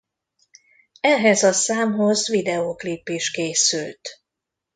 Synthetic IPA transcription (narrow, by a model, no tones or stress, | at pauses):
ɛɦɛzɒsaːmɦo̞zvid̪ɛokleːpːeːʃkeːsylt̪